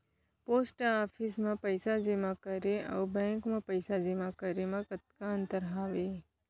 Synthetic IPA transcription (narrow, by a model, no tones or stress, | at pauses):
poːsʈaːpʰismãpəjsad͡ʒemãkəɾeə̰wbɛ̃ːŋkmãpəɪsad͡ʒemãkəɾemãkət̪̚kaə̃nt̪əɾɦaːʋe